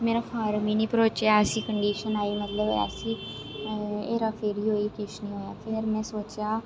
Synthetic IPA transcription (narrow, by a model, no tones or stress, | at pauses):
meːɾaːpʰaːɾmiːnĩːpɾoːt͡ʃjaːəsĩːkəɳɖiːʃənaːjuːmət̪ləb̰a̰sĩː | eːɾaːpʰɪɾiːɦoːiːkɪʃnĩːɦoːjaːpʰɪɾmɛ̃ːsoːt͡ʃjaː